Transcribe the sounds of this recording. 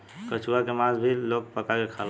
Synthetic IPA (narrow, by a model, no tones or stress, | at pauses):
kət͡ʃuakemazbʱilːok̚pəkakekʰal